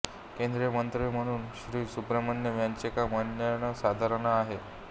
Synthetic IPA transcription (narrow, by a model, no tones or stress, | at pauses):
kẽnd̪ɾemənt̪ɾʋiːm̤əɽ̃uːnɕɾiːsupɾemanjəʋjaɲt͡ɕekamənjanəsad̪ʱaɾənaːɦe